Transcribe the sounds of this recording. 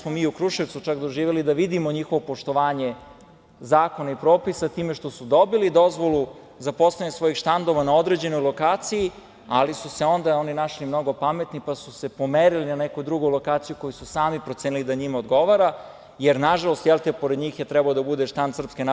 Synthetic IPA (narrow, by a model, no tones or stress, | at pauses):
smomiːukɾuʃeʋt̪sut͡ʃakd̪o̞ʒiːʋelid̪aʋid̪imo̞ɲixo̞ʋopo̞ʃt̪oʋaːɲe̞ | zaːko̞naipɾo̞ːpisat̪iːmeʃt̪o̞sud̪o̞bilid̪o̞zʋo̞lˠu | zapo̞slaɲesʋo̞jixʃt̪and̪o̞ʋanao̞d̪ɾe̞d͡ʑe̞no̞jlˠo̞kaːt̪siji | alisuseo̞nd̪ao̞ninaʃlimnoɡo̞pame̞t̪nipasuse̞po̞meɾilinanekojud̪ɾuɡojulo̞kaːt̪sijuko̞jususaːmipɾot̪seːnilid̪aɲimaod̪ɡo̞ʋaɾa | jeɾnaʒalˠo̞st̪jelˠt̪epoɾed̪ɲiːxjet̪ɾɛbaod̪abud̪eʃt̪and̪sr̩pskena